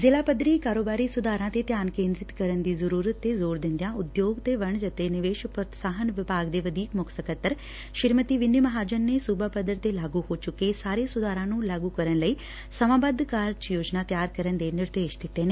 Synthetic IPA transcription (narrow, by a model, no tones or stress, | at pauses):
zɪlaːpəd̪ɾiːkaːɾoːbaːɾiːsʊd̪aːɾãːt̪eːt̪jaːnkẽːnd̪ɾɪt̪kəɾənd̪iːzəɾuːɾət̪ːeːzoːɾd̪ɪ̃nd̪jãːʊd̪joːɡt̪eːʋəɳd͡ʒət̪eːnɪʋeːʃpət̪saːɦənʋɪpaːɡd̪eːʋəd̪iːkmʊkʰsəkət̪ːəɾ | ʃɪɾmət̪iːʋɪnːɪməɦaːd͡ʒənːeːsuːbaːpəd̪əɾt̪eːlaːɡuːhoːt͡ʃʊkːeːsaːɾeːsʊd̪aːɾãːnũːlaːɡuːkəɾənləiː | səmãːbəd̪kaːɾt͡ʃjoːd͡ʒnaːt̪jaːɾkəɾənd̪eːnɪɾd̪eːʃd̪ɪt̪ːeːneː